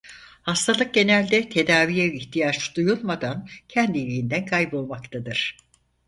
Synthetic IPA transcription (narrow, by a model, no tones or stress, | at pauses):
hast̪ʰalˠɯk̚ɟe̞nælʲd̪ɛt̪ʰe̞d̪aːvijɛvʲiçt̪ʰijad͡ʒd̪̥ujulˠmad̪ancʰɛnd̪ilʲijind̪ænkʰajbo̞lˠmakt̪ʰad̪ɯɾ̥